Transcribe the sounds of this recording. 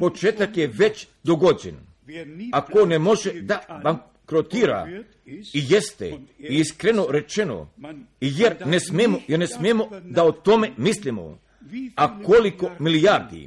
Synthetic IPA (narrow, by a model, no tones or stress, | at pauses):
po̞t͡ʃeːt̪akjeʋe̞t͡ɕ | d̪oɡod͡ʑḛn | akonemo̞ʒed̪abaŋ | kɾot̪iːɾa̰ | ijest̪ḛiiskɾeno̞ɾe̞t͡ʃe̞no̰ijeɾnesmemojeɾnesmemo̞d̪aot̪ome̞mislimo̰ | akoliko̞milijaɾd̪ḭ